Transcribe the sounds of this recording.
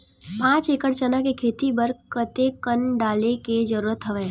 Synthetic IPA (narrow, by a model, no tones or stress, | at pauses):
pãːt͡ʃeːkəɽt͡ʃənakekʰeːt̪ibəɾkət̪ekənɖaːleked͡ʒəɾuːɾət̪ɦəʋɛː